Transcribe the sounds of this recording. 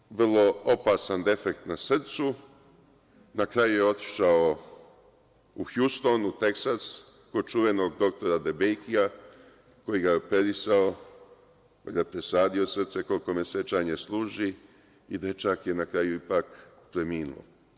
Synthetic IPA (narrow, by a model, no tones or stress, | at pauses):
ʋrlo̞opasand̪e̞fekt̪nasr̩t̪su | nakɾajujeo̞t̪i̥ʃao | uxjust̪o̞nut̪e̞ksas | ko̞dt͡ʃuʋe̞no̞ɡd̪o̞kt̪o̞ɾad̪e̞bejkia | ko̞jiɡaope̞ɾisao | kkojɡapɾesaːd̪io̞sr̩t̪se̞ko̞lko̞mese̞t͡ʃaːɲeslˠuːʒi | id̪et͡ʃakje̞nakɾaːjuipak | pɾe̞miːnṵlo̰